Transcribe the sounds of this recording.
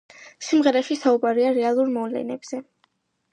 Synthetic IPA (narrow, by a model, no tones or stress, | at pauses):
simʁɛɾaʃisaubaɾiaɾɛalˠuɾmɔvlɛ̰nɛb̥z̥ɛ